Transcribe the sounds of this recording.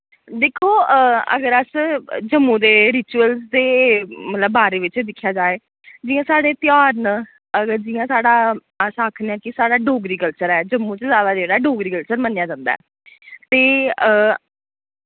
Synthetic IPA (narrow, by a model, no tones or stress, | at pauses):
d̪eːkʰoːə̰ɡəɾəsd͡ʒəmːũːd̪eːɾɪt͡ʃuəlzd̪eːmət̪ləbːaːɾeːʋɪt͡ʃd̪ɪkʰːjaːd͡ʒaːeː | d͡ʒɪːãːsaːɽeːt̪ɪjaːɾnə | əɡəɾd͡ʒɪːãːsaːɽaː | əsaːkʰnɛ̃ːkɪsaːɽaːɖoːɡɾiːkəlt͡ʃəɾɛːd͡ʒəmːũːt͡ʃəzjaːd̪aːd͡ʒeːɽaːɖoːɡɾiːkəlt͡ʃəɾmənjaːd͡ʒãːnd̪a̰ː | t̪eː